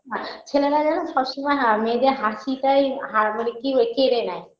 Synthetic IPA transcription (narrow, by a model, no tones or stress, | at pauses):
ɦãt͡ɕʰeleɾad͡ʑanoʃɔbʃimajɦamed̪eɦasitajɦamanekiokeɾenaj